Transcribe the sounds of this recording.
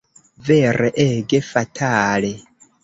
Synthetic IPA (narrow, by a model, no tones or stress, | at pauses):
vɛrʔeʔɛɡefatʰaːle